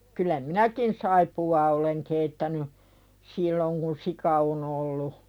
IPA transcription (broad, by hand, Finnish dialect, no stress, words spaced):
kylˑæ minækin sɑipuɑː oleŋ keitːæny silːoŋ kun sikɑ on olːu